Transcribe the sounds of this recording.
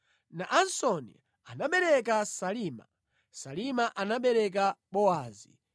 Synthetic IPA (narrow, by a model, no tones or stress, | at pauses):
naʔansɔnḭ | anaɓɛɾɛk̬asaliːma̰ | salimaʔanaɓɛɾɛk̬aɓɔaːzi